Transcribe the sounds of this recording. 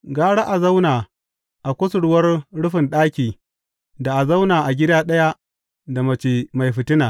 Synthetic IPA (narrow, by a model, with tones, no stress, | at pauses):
ɡaː˦ɽa˦ʔa˨za˦wnaː˨ | ʔa˨kʷʊ˦sʊ˨ɽʊ˦wɐ˦rɽʊ˦ɸɪ˨nɗaː˦kʲiː˨ | da˨ʔa˨za˦wnaː˨ʔa˨ɡʲɪ˦daː˦ɗɐ˦ja˦ | da˨mɐ˨t͡ʃi˨ma˨jɸɪ˨tɪ˦naː˨